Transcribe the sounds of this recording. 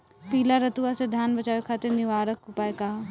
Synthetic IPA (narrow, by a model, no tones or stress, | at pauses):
piːlaɾɐt̪uased̪ʱjaːnbɐt͡ʃaːʋekʰaːt̪eɾnɪʋaːɾəkʊpaːeka